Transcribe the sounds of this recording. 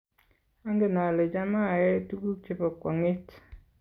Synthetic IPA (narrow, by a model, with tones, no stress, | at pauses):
a˦ŋɡe˦˨na˨le˨d͡ʒa˦ma˦˨ɛ˦tu˦ɡu˦kt͡ʃe˨pɔ˨kwɔ˨ŋɪ˦t